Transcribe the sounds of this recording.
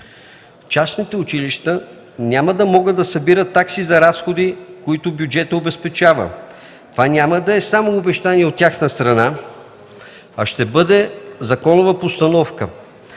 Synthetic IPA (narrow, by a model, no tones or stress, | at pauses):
t͡ʃasnit̪ɛʊt͡ʃiliʃt̪ə | nʲaməd̪ɐmɔɡəd̪ɐsɐbiɾət̪ːaksizɐɾasxod̪ikoit̪ʊbjud͡ʒɛt̪əobɛspɛt͡ʃavə̰ | t̪ovanʲaməd̪ɐɛsamoːbɛʃt̪aniɛot̪ːʲaxnəst̪ɾɐna | ɐʃt̪ɛbɤd̪ɛzɐkɔnʊvɐpost̪ɐnɔfkə̰